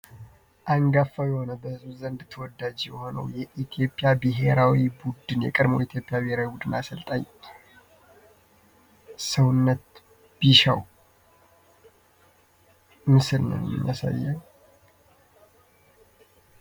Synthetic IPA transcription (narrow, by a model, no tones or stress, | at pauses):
ʔaŋɡafawjɛho̞nəbəzuzənd̪t̪ʰəwɔd̪ːad͡ʒjɛho̞nə̰wjɛʔit̪ʰjo̞pʼːɪjabɨɦe̞ɾawibud̪ɨnjɛ̰kʼɨd̪mo̰wit̪ʰjo̞pʼjabɨheɾawibud̪ɨnasəlt̪ʼaɲː | səwnːət̪ | b̥iʃa̰w | mɨsɨlnə̰nmɨ̰ɲːa̰sa̰jːa